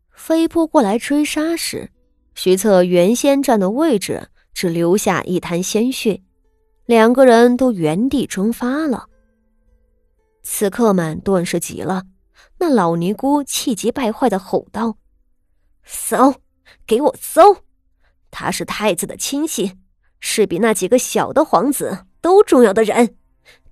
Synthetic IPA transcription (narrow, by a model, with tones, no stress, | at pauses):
fe˥ɪpʰu˥˧kwɔ˥˩la˧˥ɪʈ͡ʂwe˥ʂa˥ʂɻ̩̰˧˩˦ | ɕy˧˥t͡sʰɤ˥˩ɥɛ˧˥nɕjɛ˥nʈ͡ʂwa˥˩nd̪ə˩we˥˩ɪʈ͡ʂɻ̩̰˨˩ | ʈ͡ʂɻ̩˨˩ljo˧˥ʊɕja̰˥˧ʔḭ˥˩t̪ʰa˧˥nɕjɛ˥nɕy˥˩ | ljɑ˨˩ŋɡə˧ɻə˧˥nt̪o˥ʊɥɛ˧˥nt̪i˨˩ʈ͡ʂwɤ˥ŋfa˥lə̰˨˩ | t͡sʰɹ̩˧˩kʰɤ˥˩mə˨˩nt̪wa˥˧nʂɻ̩˥˩t͡ɕḭ˧˩˦lə˧ | na˥˩lɑ˨˩ʊni˧˥ku˥t͡ɕʰi˥˩t͡ɕi˧˥pa˥˧ɪxwa˥˩ɪd̪ə˩xo˨˩ʊt̪ɑ˥˩ʊ | so˥ʊ | ke˧˥ɪwɔ˨˩so˥ʊ | t̪ʰa̰˥ʂɻ̩˥˧t̪ʰa˥˩ɪt͡sɹ̩˨˩d̪ə̰˩t͡ɕʰi˥nɕi˥˩ | ʂɻ̩˥˩pi˨˩na˥˩t͡ɕi˨˩ɡə˦ɕjɑ˨˩ʊd̪ə˦xwɑ˧˥ŋt͡sɹ̩˨˩t̪o˥ʊʈ͡ʂʊ˥˧ŋjɑ˥˩ʊd̪ə˩ɻə˧˥n